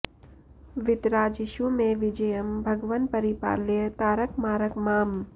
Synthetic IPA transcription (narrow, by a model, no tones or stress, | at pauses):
ʋɪt̪ɾaːd͡ʒɪʃumẽʋɪd͡ʒɐjəmbʱɐɡʋən̚pɐɾipa̰ːljət̪aːɾəkmaːɾəkmaːm